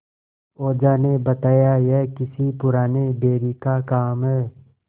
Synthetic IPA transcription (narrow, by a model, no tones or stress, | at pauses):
oːd͡ʒaːnebɐt̪aːjajɛːkɪsipʊɾaːnebeːɾikakaːmɦɛː